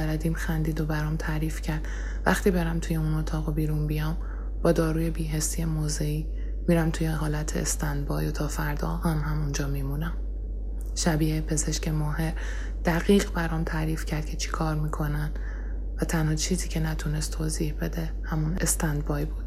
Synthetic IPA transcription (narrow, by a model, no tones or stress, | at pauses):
æɾæd̪iːmxænd̪iːd̪o̞bæɾɒːmt̪ʰæɾiːfcʰæɾd̪̥ | væ̰xt̪iːbeɾæmt̪ʰujeunot̪ʰɒːɣobiːɾuːnbijɒːm | b̥ɒːd̪ɒːɾuːje̞biːɦesːijemoːzeiː | miːɾæmt̪ʰujeɦɒːlæt̪ʰḛest̪ænd̪̚bɒːjot̪ʰɒːfæɾd̪ɒ̰ːhæmhæmund͡ʒɒːmiːmuːnæm | ʃæbiːepʰe̞zeʃcemɒːhe̞ɾ | d̪̥æɣiːɣbæɾɒːmt̪ʰæɾiːfcʰæɾd̪̥̚kcʰe̞t͡ʃʰi̥kʰɒːɾmiːkʰo̞næn | væt̪ʰænhɒːt͡ʃʰiːziːcʰe̞næt̪ʰunest̪ʰoːziːhbe̞d̪e̞ | hæmunest̪ænd̪̚bɒːjbuːd̪̥̚